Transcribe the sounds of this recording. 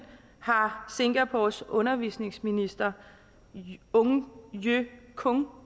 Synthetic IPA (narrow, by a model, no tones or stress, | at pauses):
hɑ̈se̝ŋɡ̥æpʰosɔ̽nɐʋisne̝ŋsminisd̥ɐ | ɔŋjøkʰɔŋ